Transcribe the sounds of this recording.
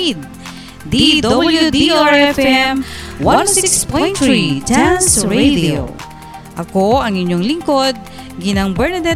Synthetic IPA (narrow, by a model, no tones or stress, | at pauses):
d̪̚ | d̪id̪aabljud̪iiaɹɛfɛmwasiksspɔjt̪ɹid͡ʒansɹed̪io̰ | ʔɐkoʔɐŋɪɲːoŋlɪŋko̞d̪̚ | ɡɪnɐŋbɛɹnɐd̪ɛ